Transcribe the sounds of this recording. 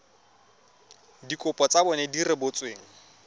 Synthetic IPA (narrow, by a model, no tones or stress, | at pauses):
dikʼʊpʼɔt͡sabɔnɛdirɪbʊt͡sʼweːŋ̩